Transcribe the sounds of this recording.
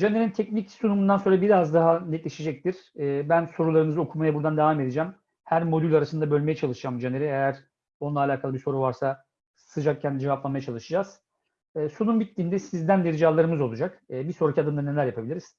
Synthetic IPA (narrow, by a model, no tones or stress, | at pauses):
d͡ʒaneɾint̪ʰɛcnicsunumund̪ansoɾabiɾazd̪aɦanɛt̪lʲeʃid͡ʒɛc̚t̪iɾ̥ːbænso̞ɾulˠaɾɯmɯzɯo̞kʰumajabuɾd̪and̪evaːme̞d̪ed͡ʒæm | hæɾmo̞d̪ylʲaɾasɯnd̪abø̞lʲme̞jɛt͡ʃʰalˠɯʃɯd͡ʒamd͡ʒaneɾɛejæɾ̥ | o̞nlˠaːlʲaːkʰalˠɯbiso̞ɾuvaɾsa | sɯd͡ʒak̚cʰænd͡ʒevaplˠanmajat͡ʃʰalˠɯʃɯd͡ʒaz̥ː | sunumbit̪ːiːnd̪ɛsizd̪ænd̪ʲeɾid͡ʒaːlˠaɾɯmɯzo̞lˠud͡ʒakːbisoɾakcʰiad̪ɯmd̪ane̞lʲæɾjapʰabilʲiɾiz̥